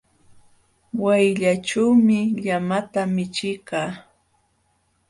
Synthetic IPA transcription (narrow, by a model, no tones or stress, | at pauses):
wajʎaʈ͡ʂawmɪʎamat̪amɪt͡ʃɪjkɑː